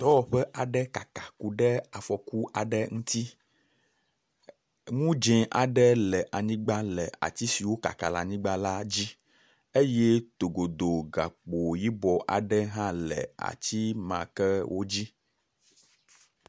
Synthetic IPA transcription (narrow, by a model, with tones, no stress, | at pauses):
t̪ɔ˦ɔ˨ɸɛ˦ʔa˨ɖɛ˦ka˨ka˨ku˨ɖɛ˦a˨fɔ˨ku˦ʔa˨ɖɛ˦ŋũ˦t̪i˦ | ŋũ˦d͡ʒɛ̃˨ʔa˨ɖɛ˦lɛ˨ʔa˨ɲĩ˦ɡ͡ba˦lɛ˨a̰˨t̪i˦si˨wo˦ka̰˨ka˨la̰˨ɲĩ˦ɡ͡ba˦la˦d͡ʑi˦ | e˦je˦t̪o˨ɡo˨d̪o˨ɡa˨k͡po˨ji˦bɔ˨ʔa̰˨ɖɛ˦ɦã˦lɛ̰˨a̰˨t͡ɕi˦mã̰˨kɛ˦wʔo˦d͡ʑi˦